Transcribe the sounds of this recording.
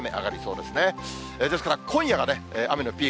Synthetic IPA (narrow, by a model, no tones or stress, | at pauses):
me̞ʔa̰ɡaɾʲiso̞ːd̪e̞sɨne̞ | eːd̪esɨ̥kaɾakʰõ̞ɰ̃jaɡane̞eːʔame̞no̞pʲiː